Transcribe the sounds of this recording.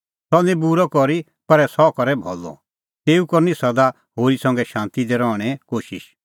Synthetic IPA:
sɔnẽbuɾɔkɔɾi | pɐɾɛsɔkɐɾɛbʱɔ̰lːɔ̰ | t̪eːukɔɾnisɐd̪a | ɦoːɾisɐ̃ŋɡɛʃãːnt̪id̪ɛɾɔːɽ̃ɛ̃koːʃɪ̰ʃ

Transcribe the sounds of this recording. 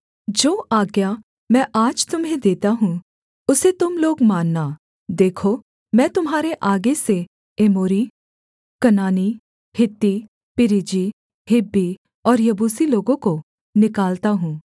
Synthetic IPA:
d͡ʒoːʔaːɡja | mɛ̃ːʔaːd͡ʒt̪ʊmɦẽd̪eːt̪aɦũ | ʊset̪ʊmloːɡmaːnːa | d̪eːkʰo | mɛ̃ːt̪ʊmɦaːɾeʔaːɡese | eːmoːɾi | kɐnaːni | hɪt̪ːi | pɪɾɪd͡ʒi | hɪbːi | ɔːɾjɐbuːsiloːɡõko | nɪkaːlt̪aɦũː

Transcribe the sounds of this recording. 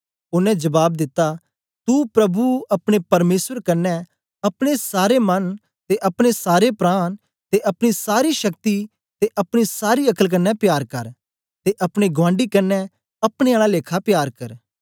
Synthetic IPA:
ʊnɛ̃d͡ʒɐbaːbd̪ɪt̪ːa | t̪upɾɐbuɐpɽ̃epɐɾmeːswəɾkɐnːɛ̃ | ɐpɽ̃esaːɾemɐn | t̪eʔɐpɽ̃esaːɾepɾaːn | t̪eʔɐpɽ̃isaːɾiʃɐk̚t̪i | t̪eʔɐpɽ̃isaːɾiɐkəlk̬ɐnːɛpjaːɾkɐɾ | t̪eʔɐpɽ̃eɡʋãːɳɖikɐnːɛ | ɐpɽ̃eaːlaleːkʰapjaːɾkɐɾ

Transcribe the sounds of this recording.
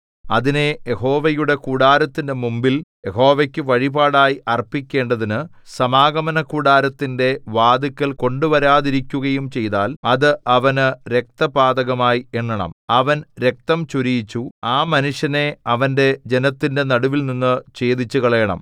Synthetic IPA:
ɐðine̞jeho̞ːʋɐjuɽe̞kuːɽaːɾɐt̪ːinde̞mumbilje̞ɦo̞ːʋekʲːɨʋɐɻibaːɽaːjiʔɐrpːikʲːe̞ːɳɖɐðinɨsɐmaːɡɐmɐnɐkuːɽaːɾɐt̪ːinde̞ʋaːd̪ikʲːɐɭko̞ɳɖuʋɐɾaːðiɾikʲːuɣɐjumt͡ɕe̞jðaːlɐðɨʔɐʋɐnɨɾe̞k̚t̪ɐpaːd̪ɐɣɐmaːjieɳːɐɳɐ̰mɐʋɐnɾe̞k̚t̪ɐmt͡ɕuɾijit͡ɕːuaːmɐnuʂjɐne̞ɐʋɐnde̞d͡ʑe̞nɐt̪ːinde̞nɐɽuʋilninːɨt͡ɕe̞ːd̪it͡ɕːuɣɐɭɐjɐɳɐ̰m

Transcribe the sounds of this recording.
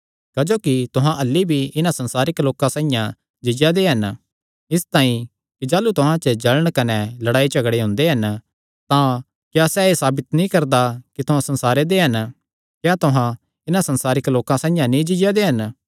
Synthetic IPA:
kɐd͡ʒoːkit̪ʊɦãʔɐlːibʱiɪnãsɐnsaːɾɪkloːkãsãːĩjã | d͡ʒɪd͡ʒad̪eɦɐn | ɪst̪aːĩ | kid͡ʒaːlut̪ʊɦãt͡ʃəd͡ʒɐləɽ̃kɐnɛlɐɽaːit͡ʃɐɡɽeɦʊ̃nd̪eɦɐn | t̪ã | kjaːsɛeːsaːbɪt̪nĩkɐɾd̪akit̪ʊɦãsɐ̃nsaːɾed̪eɦɐn | kjaːt̪ʊɦã | ɪnãsɐnsaːɾɪkloːkãsãːĩjãnĩd͡ʒɪd͡ʒjad̪eɦɐn

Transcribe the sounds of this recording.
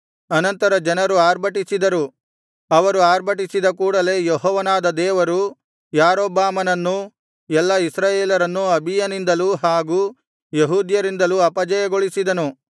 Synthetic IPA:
ɐnɐnt̪ɐɾɐd͡ʒɐnɐɾuaːɾbʱɐʈisid̪ɐɾu | ɐʋɐɾuaːɾbʱɐʈ̬isid̪ɐkuːɽɐle̞jeɦɔːʋɐnaːd̪ɐd̪ɛːʋɐɾu | jaːɾoːbaːmɐnɐnːu | ɛlːɐisɾaːjeːlɐɾɐnːuɐbʱijɐnind̪ɐluɦaːɡuː | jeɦuːd̪jɐɾind̪ɐluɐpɐd͡ʒɐjɐɡoɭisid̪ɐnu

